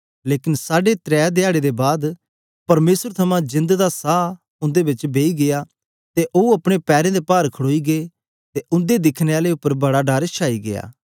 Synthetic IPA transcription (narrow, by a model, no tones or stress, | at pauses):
leːkɪnsaːɖet̪ɾɛːd̪eaːɽed̪ebaːd̪ | pɐɾmeːsəɾt̪ʰɐmãd͡ʒɪ̃nd̪d̪asaː | ʊ̃nd̪eːbɪt͡ʃbeːiɡejaː | t̪eʔoːuɐpɽ̃epɛːɾẽːd̪epaːɾkʰəɽoːiɡeeː | t̪eʔʊ̃nd̪ed̪ɪkʰneaːleʊpːəɾbɐɽaɖaːɾt͡ʃʰaːiɡḛja̰ː